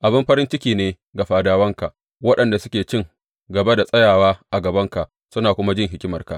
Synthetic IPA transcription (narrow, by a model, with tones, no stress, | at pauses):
ʔa˨bɪ˦mɸɐ˦ɾɪ˦nt͡ʃɪ˦kʲiː˨neː˦ | ɡa˨ɸaː˦daː˦wɐ˦ŋka˨ʔ | wɐ˦ɗɐ˨nda˨sʊ˦kʲeː˨t͡ʃɪ˦˨ŋ | ɡɐ˨be˦da˨sʼɐ˦jaː˨waː˦ʔa˨ɡɐ˨bɐ˦ŋka˨ʔ | sʊ˦naː˨kʷʊ˦ma˦d͡ʒɪ˦˨ŋɦɪ˦kʲɪ˦mɐ˨rka̰˨ʔ